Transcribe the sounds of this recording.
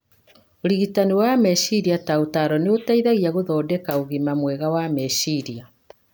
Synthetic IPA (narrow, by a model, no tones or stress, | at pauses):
oɾiɣitaniwamɛʃiɾiataotaɾɔneotaiðaɣiaɣoðɔːdɛkaoɣimamwɛɣawamɛʃiɾia